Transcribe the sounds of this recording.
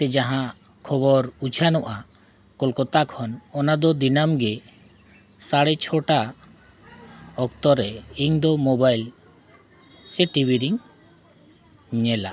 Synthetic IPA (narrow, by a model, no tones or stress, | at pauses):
t̪ɛd͡ʒaɦã | kʰɔbɔɾud͡ʒʰʱanɔʔa | kɔlkɔt̪akʰɔnɔnad̪ɔd̪inamɡɛ | saɽɛt͡ʃʰɔʈa | ɔk̚t̪ɔɾɛiŋd̪ɔmɔbajl | sɛʈibiɾiŋ | ɲɛla̰